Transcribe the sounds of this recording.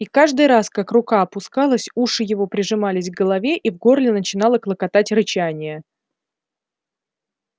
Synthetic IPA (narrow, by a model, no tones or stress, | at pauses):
ikaʐd̪ɨjɾaskakrʊkaɐpʊskalˠəsʲuʂɨjɪvo̞pɾʲɪʐɨmalʲɪsʲvɡəlˠɐvʲe̞ʔivɡo̞rlʲɪnət͡ɕɪn̪ɑlˠəklˠəkɐt̪atʲɾɨt͡ɕanʲɪjə